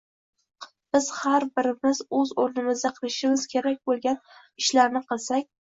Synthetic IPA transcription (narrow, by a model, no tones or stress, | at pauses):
b̥ɪz̥haɾbɪɾɪmɪzɵzoɾnɪmɪzd̪aqʰɨlˠɪʃɪmɪz̥kʲʰe̞ɾak̚ʲbolˠɡʲan | ɪʃlaɾnɪqʰɨlˠsak̚ʲ